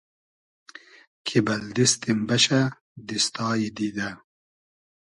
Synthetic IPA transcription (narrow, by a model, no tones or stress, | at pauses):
kʰibɐld̪ist̪imbɐɕɐ | d̪ist̪ɑːjid̪id̪ɐ